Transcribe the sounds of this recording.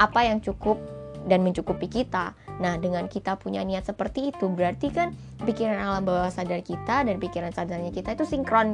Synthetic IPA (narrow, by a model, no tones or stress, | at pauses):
ʔapajaŋt͡ʃukʊp̚danməɲt͡ʃukupikit̪anahdəŋankit̪apuɲaniat̪̚səpərt̪iːt̪ubəɾart̪ikan | pikiɾanalambawahsadarkit̪adanpikiɾansadarɲakit̪ait̪usiŋkɾɔn